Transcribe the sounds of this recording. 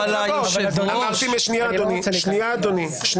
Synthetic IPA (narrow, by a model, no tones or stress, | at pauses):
oamat̪imeʃnijaad̪oniʃniaːd̪oni | ʃn